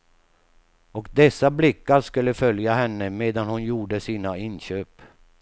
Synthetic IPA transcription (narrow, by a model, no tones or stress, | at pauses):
ɔkd̪ɛsːablɪkːaɾʂkɵlːəfœljaɦɛnːəmeːd̪anhʊnjuːɖəsiːnaɪnɕøːp